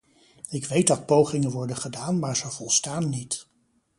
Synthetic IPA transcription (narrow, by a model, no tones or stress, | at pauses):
ɪkʋejt̚dɑt̚powχɪŋənʋɔɹdəχədaːnmaːɹzəvɔlˠstaːnːit